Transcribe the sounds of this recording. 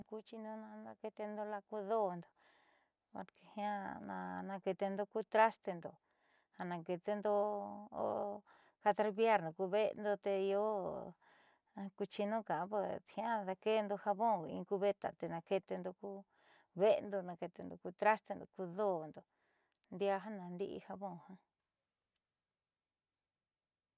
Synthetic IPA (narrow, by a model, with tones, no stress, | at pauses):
ku˦t͡ʃi˧nũ˦nã˧nã˧ke˧t̪e˧nd̪o˧la˧ku˧ðo˦˨nd̪o̥˨ | a̰˧ke˧hĩ˦ã˦nã̰˧nã˧ke˧t̪e˧nd̪o˧ku˦t̪ɾa˦st̪e˧nd̪o̰˨ | ha˧nã˧ke˧t̪e˧nd̪o˧o̰˦ | ka˧t̪a˧ɾβja˦ɾnõ˨ku˧βe˦˧nd̪o˧t̪e˧i˧o˦ | ku˧t͡ʃi˧nũ˦kã˨˦βo˧t̪hĩ˧˦ã˦ða˧ke˦˧nd̪o˧ha˧βõ˦˨˧ḭ̃˧ku˧βe˦t̪a̰˨t̪e˧nã˧ke˧t̪e˧nd̪o˧ku˦ | βe˦˧nd̪o˧nã˧ke˧t̪e˧nd̪o˧ku˧t̪ɾa˦st̪e˧nd̪o̰˨ku˧ðo˦˨nd̪o˨ | nd̪ja˧ɦã˦nã˨˧nd̪i˦ʔḭ˧ha˧βõ˦˨hã˧